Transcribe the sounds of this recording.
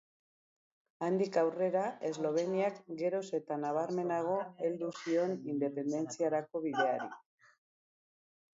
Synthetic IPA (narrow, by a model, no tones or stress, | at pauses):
and̪ikawre̞ɾae̞zlo̞β̞e̞niakɡe̞ɾo̞se̞t̪anaβ̞aɾme̞naɣ̞o̞e̞ld̪usio̞nind̪e̞pe̞nd̪e̞nt͡siaɾako̞β̞iðe̞aɾi